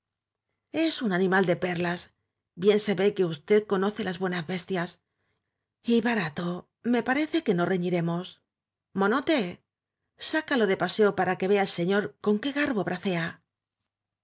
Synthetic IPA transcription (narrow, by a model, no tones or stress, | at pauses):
e̞sunanĩmald̪e̞pe̞ɾlas | bje̞nse̞βe̞ke̞ust̪e̞ðko̞no̞θe̞lazβwe̞nazβe̞st̪jas | iβaɾat̪o̞ | me̞paɾe̞θe̞ke̞no̞reɲiɾe̞mo̞s | mo̞not̪e̞ | sakalo̞ðe̞pase̞o̞paɾake̞βe̞aelse̞ɲo̞ɾko̞ŋke̞ɣaɾβo̞βɾʔaθe̞a